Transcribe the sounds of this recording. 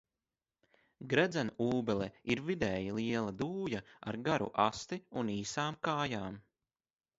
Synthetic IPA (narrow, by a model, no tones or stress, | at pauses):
ɡɾɛd̪zanuːbɛlɛiɾvid̪ɛːjilˠiɛlˠad̪uːjaa̰ɾɡaɾṵʔast̪iuniːsaːmkaːjaːm